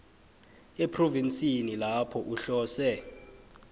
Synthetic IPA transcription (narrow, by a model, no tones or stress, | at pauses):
epʰrovinsʼinilapʰɔʔuɬɔːsɛ